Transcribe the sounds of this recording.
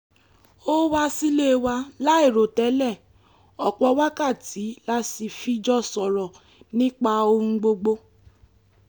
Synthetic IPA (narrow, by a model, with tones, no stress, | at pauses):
o˦wa˦si˦le˦˨wa˧la˦e˦˨ɾo˨tɛ˨˦lɛ˦˨ | ɔ˨k͡pɔ˧˦wa˦ka˦˨ti˨˦la˦si˧fi˧d͡ʒɔ˦sɔ˨ɾɔ˨ | nĩ˦k͡pa˧o˧ũ˧ɡ͡bo˧ɡ͡bo˧